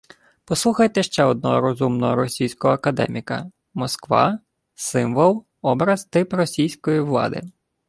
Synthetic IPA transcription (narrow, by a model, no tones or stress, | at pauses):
pɔsˠuxɐjt̪ɛʃt͡ʃɛɔd̪̚nɔɾɔzumnɔɦɔɾɔsʲijsʲkɔɦɔːkɐd̪ɛ̰mʲikɐ̰ | mɔskʋɑ̰ | sɪmʋɔlˠ | ɔbɾɐzt̪ɪprɔsʲijsʲkɔjiʋlˠɑ̰d̪ɪ̰